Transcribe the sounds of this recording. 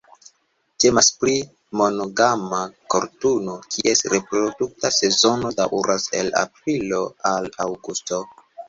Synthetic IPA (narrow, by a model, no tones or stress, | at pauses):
te̞maspɾi | mo̞noɡamako̞̰ɾtuno̞kʰiʔe̞sɾe̞pɾoduk̚tase̞zo̞no̞daʔuɾase̞la̰pɾilo̞alawɡusto